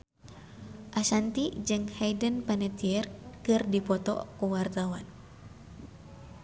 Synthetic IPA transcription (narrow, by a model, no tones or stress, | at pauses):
ʔasant̪id͡ʒɨŋhajdənpanɛt̪iɛrkɨrdipɔt̪ɔ̰kuwart̪awan